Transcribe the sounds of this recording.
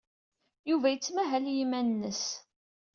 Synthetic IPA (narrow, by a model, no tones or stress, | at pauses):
juvæjət͡sːmæɦæljimænnːəs